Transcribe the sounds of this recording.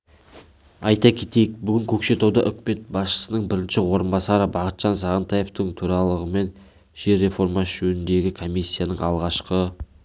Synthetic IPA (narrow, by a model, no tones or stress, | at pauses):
ɑjt̪ɑkʲʰe̞t̪e̞jɪk̚bʏɡʲɪŋkʲʰɵkʃe̞t̪ɑwd̪ɑʔʏkʲɪme̞t̪̚bɑsʃə̥sənəɴbɪɾɪnʃɪwo̞ɾənbɑsɑɾəbɑqət̪ʒ̥ɑnsɑʁənt̪ɑje̞ft̪əɴt̪ʰuɾɑlˠəʁəme̞n | ʒ̥e̞ɾːe̞fo̞ɾmɑʒ̥ɵnɪnd̪e̞ɡʲɪkʰo̞misʲːijanəɴɑ̰lˠʁɑʃqə